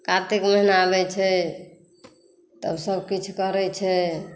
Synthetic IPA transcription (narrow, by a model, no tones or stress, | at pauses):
kat̪ekməɦinaːbɛt͡ʃʰɛ | t̪əbsəbkit͡ʃʰkəɾɛt͡ʃʰɛ